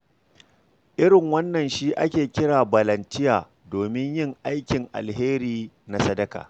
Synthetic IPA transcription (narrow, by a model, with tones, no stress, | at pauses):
ʔɪ˦ɾɪ˨ŋwɐ˦nːɐ˨nʃiː˦ʔa˦kʲeː˨kʲɪ˦ɽaː˨bɐ˨lɐ˨ntɪ˦jaː˨ | doː˨mɪ˦ɲjɪ˦ŋʔa˦jkʲɪ˨ŋʔa̰˨lɦeː˦ɾiː˦ | na˦sɐ˦dɐ˦ka̰ː˨